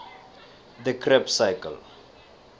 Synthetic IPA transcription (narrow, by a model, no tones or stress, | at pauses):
d̪əkʰɾɛpsaɪkə̰l